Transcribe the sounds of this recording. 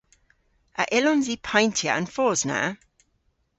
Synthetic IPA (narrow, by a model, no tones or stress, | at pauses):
ʔəʔɪlɔ̃nzipʰãɪ̃ntʰjəə̰̃nfɔːznə̰